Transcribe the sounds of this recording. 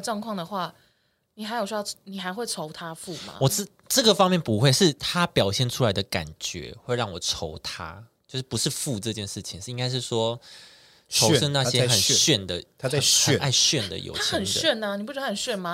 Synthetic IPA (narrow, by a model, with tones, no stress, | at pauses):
ʈ͡ʂwɑ˥˧ŋkʰwɑ˥˩ŋd̪ə˩xwa˥˩ | ni˨˩xa˧ɪjo˨˩ʊɕɥj̪ʊni˨˩xa˧˥ɪxwe˥˩ɪʈ͡ʂʰo˧˥ʊt̪ʰa˥fu˥˩ma̰˨wɔ˨˩ʈ͡ʂ̩˥˩ | ʈ͡ʂɤ˥˩ɡə˩fɑ˥ŋmjɛ˥˩npu˧˦xwe˥ɪʂɻ̩˥˩t̪ʰa˥pjɑ˨˩ʊɕjɛ˥˩nʈ͡ʂʰu˥la˧˥ɪd̪ə˨ka̰˨˩nt͡ɕɥɛ̰˧˦xwe˥˧ɪɻɑ˥˩ŋwɔ˨˩ʈ͡ʂʰo˧˥ʊt̪ʰa̰˦t͡ɕjo˥˧ʊʂ̬̩˥˩pu˧˦ʂɻ̩˥˧fu˥˧ʈ͡ʂɤ˥˧t͡ɕjɛ˥˧nʂɻ̩˥˩t͡ɕʰi˨˦ŋʂ̩˥˧i˧˥ŋɡa˥ɪʂ̬ɻ̩˥˩ʂwɔ˥ | ʈ͡ʂʰo˧˥ʊʂə˥˧ŋna˥˧˩ɕjɛ˦˥˧xə˨˩n˥ɕɥɛ˥˩nd̪ə˩˥˩ | a˥˧ɪɕɥɛ˥˨nd̪ə̰˩jo̰˨˩t̪ʰa˥t͡ɕʰxə˨˩nɕɥɛ˥˩na˨˩ni˨˩pu˥ɻxə˨˩ɕɥɛ˥˩nma˨˧